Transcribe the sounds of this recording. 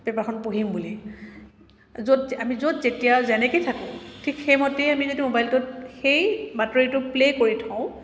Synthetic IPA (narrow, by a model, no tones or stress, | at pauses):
bɛpaxʰɔnpoɦimbuli | zotamizotzetijazɛnɛkejtʰakʊ̃tʰikxejmotejamizodimobajltʊtxejbatɔɹitʊplekoɹitʰãʊ̃